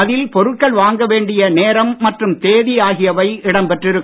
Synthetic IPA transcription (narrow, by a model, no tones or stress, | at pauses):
ɐðɪlpɔɾɯʈkːɐɭʋaːŋɡɐʋeːɳɖɪjɐneːɾɐmːɐʈrɯmt̪eːðɪjaːɣɪjɐʋɐɪɪɽɐmpɛʈrɪɾɯkː